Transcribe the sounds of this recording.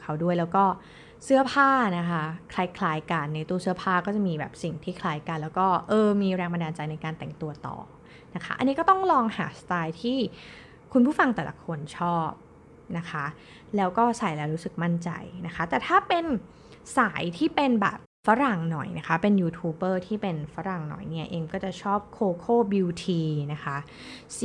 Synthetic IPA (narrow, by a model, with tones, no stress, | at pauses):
kʰa˦˥wdu˥˩əjlɛː˦˥wkɔː˥˩ | sɯ˥ɐpʰaː˥˩na˦˥kʰa˦˥kʰla˧jkʰlaː˧jka˧nːa˧˩jt̪u˧əsɯ˥ɐpʰaː˥˩kɔː˥˩t͡ɕa˨˩miː˧bɛ̰ː˨˩p̚si˨˩ŋt̪ʰiː˥˩kʰlaː˧jka˧nlɛː˦˥wkɔː˥˩ʔɤː˧miː˧ɾɛː˧ŋba˧ndaː˧nt͡ɕa˧jna˧jkaː˧nt̪ɛ˨˩ŋt̪u˧ɐt̪ɔ̰ː˨˩ | na˦˥kʰa̰˦˥ʔa̰˧nːiː˦˥kɔː˥˩t̪ɔ˥˩ŋlɔː˧ŋha̰ː˩˦st̪aː˧jt̪ʰiː˥˩ | kʰu˧npʰuː˥˩fa˧ŋt̪ɛː˨˩lʔa̰˦kʰo˧nt͡ɕʰɔː˥˩p̚ | na˦˥kʰa˦˥ | lɛː˦˥wkɔː˥˩saː˨˩˦jlɛː˦˥wɾuː˦˥sɯ˨˩k̚ma˥˩nt͡ɕa̰˧jna˦˥kʰa˦˥t̪ɛː˨˩t̪ʰaː˥˩pe˧n | saː˩˦jt̪ʰiː˥˩pe˧nbɛ̰ː˨˩p̚fa˦˥ɾa˨˩ŋnɔ˨˩jna˦˥kʰa˦˥pe˧njuː˧t̪ʰuː˧˥bɤː˥˩t̪ʰiː˥˩pe˧nfa˦˥ɾa˨˩ŋnɔ̰˨˩jni˥˩ɐʔeː˧ŋkɔː˥˩t͡ɕa˨˩t͡ɕʰɔː˥˩p̚kʰoː˧kʰoː˥˩bi˧wt̪ʰiː˧na˦˥kʰa˦˥